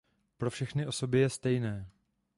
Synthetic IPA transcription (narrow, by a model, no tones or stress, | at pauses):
pɾo̞fʃɛxnɪʔo̞so̞bɪjɛst̪ɛjnɛː